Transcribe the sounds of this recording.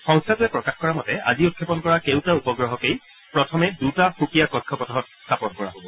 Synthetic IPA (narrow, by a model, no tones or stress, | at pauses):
xɔ̃ŋstʰatʊɛpɹɔkaxkɔɹamɔtɛa̰ziot̚kʰɛpɔnkɔɹakewtaupɔɡɹɔɦɔkej | pɹɔtʰɔmɛdutaxukijakɔkʰːɔpɔtɔɦɔt̚stʰapɔnkɔɹa̰ɦobɔ